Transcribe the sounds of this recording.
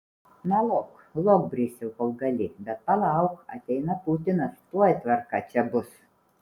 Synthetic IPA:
nɐlˠoːk | lˠoːk̚bʲɾʲiːsʲɛlˠkolˠɡɐlʲɪbʲɛt̪̚pɐlˠɑˑʊkɐ̰t̪ʲɛɪnɐpʊt̪ʲɪnɐst̪uɔjt̪ʲʋɐɾkɑt͡ʃʲɛbʊs

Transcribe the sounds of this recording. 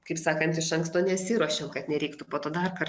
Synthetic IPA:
kɐɪpsɑːkɐnt̪ɪʃɐŋkst̪oːnʲɛsʲiːɾuɔʃʲomkɐt̪nʲɛɾʲɛɪkt̪ʊpoːt̪oːd̪ɐrkɐr

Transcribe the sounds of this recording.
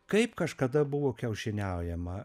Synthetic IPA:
kɐɪpkɐʃkɐd̪ɐbʊʋoːkʲɛʊʃʲɪnʲɛʊjɛmɐ

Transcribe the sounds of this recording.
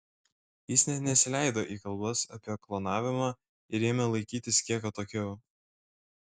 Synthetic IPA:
jɪsnʲɛt̪nʲɛsʲɪlʲæɪd̪oːʔiːkɐlˠbɐsɐ̰pʲiklˠoːnɑːʋʲɪmɑː | ɪɾeːmʲɛlˠɐɪkʲiːt̪ʲɪskʲiɛkɐt̪oːkʲɛʊ

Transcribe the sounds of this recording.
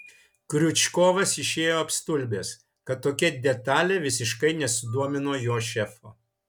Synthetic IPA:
kɾʲʊt͡ʃʲkoːʋɐsɪʃʲeːjoːɐpst̪ʊlʲbʲeːs | kɐt̪ːoːkʲɛd̪ʲɛt̪ɑːlʲeːʋʲɪsʲɪʃkɐɪnʲɛsʲʊd̪uɔmʲɪnoːjoːʃʲɛfoː

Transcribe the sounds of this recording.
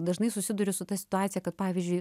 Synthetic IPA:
d̪ɐʒnɐɪsʊsʲɪd̪ʊɾʲʊsʊt̪ɐsʲɪ̥t̪ʊɑːt̪ʲɪjɛkɐt̪̚pɑːʋʲiːzʲd͡ʒʲʊɪ

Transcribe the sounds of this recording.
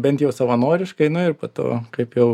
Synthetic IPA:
bʲɛnt̪jɛʊsɐʋɐnoːɾʲɪʃkɐɪnʊɪrpɐːt̪o̰ːkɐɪpjɛʊ

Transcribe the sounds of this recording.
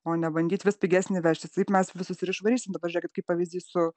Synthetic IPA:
oːnʲɛbɐŋʲɡʲiːt̪ʲʋʲɪspʲɪɡʲæːsʲnʲɪʋʲæt͡ʃʲt̪ʲɪsɐɪpmʲɛsʋʲɪsʊsʲɪɾɪʃʋɐɾʲiːsʲɪmd̪ɐbɐʒʲuːkʲɪt̪kɐɪpɑʋʲizʲdʲiːsʊ

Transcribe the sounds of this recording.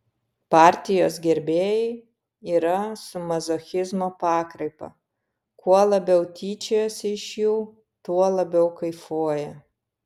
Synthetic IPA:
pɑˑɾʲt̪ʲɪjoːsɡʲɛɾʲbʲeːjɛɪ | iːɾɐsʊmɐzoːxʲɪzmoːpɑːkɾɐɪpɐ̰ | kuɔlˠɐbʲɛʊt̪ʲiːt͡ʃʲejoːsʲɪʃjuː | t̪uɔlˠɐbʲɛʊkɐɪfuɔjɛ

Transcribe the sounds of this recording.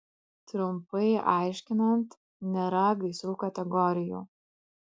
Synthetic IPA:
t̪ɾʊmpɐɪʔɑˑɪʃʲkʲɪnɐnt̪ | nʲeɾɐɡɐɪsɾuːkɐt̪ʲɛɡɔɾʲɪjṵː

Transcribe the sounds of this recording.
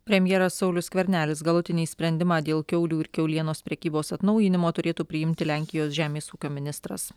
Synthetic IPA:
pʲɾʲɛmʲjɛɾɐsːɒʊlʲʊsʲkʲʋʲɛɾʲnʲæːlʲɪs̬ɡɐlˠʊt̪ʲɪnʲiːsʲpʲɾʲɛnʲd̪ʲɪmɑːd̪ʲeːlˠkʲɛʊlʲuːɪɾkʲɛʊlʲiɛnoːspʲɾʲɛkʲiːboːsɐt̪nɒʊjɪnʲɪmoːt̪ʊɾʲeːt̪uːpʲɾʲɪjɪmʲt̪ʲɪlʲæˑŋʲkʲɪjoːsʒʲæːmʲeːsuːkʲoːmʲɪnʲɪst̪ɾɐ̰s

